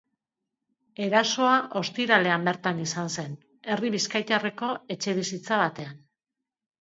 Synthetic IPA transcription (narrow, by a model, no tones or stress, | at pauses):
e̞ɾaso̞aʔo̞st̪iɾale̞ambe̞ɾt̪anisanse̞n | e̞riβiskajt̪areko̞e̞t͡ʃe̞β̞isit͡saβ̞at̪e̞an